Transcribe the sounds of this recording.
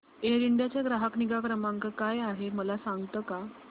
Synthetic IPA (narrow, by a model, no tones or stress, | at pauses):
eɾiɳɖjat͡ɕjaɡɾaɦəkniɡakɾəmãŋkəkajaɦeməlasaŋɡt̪əːka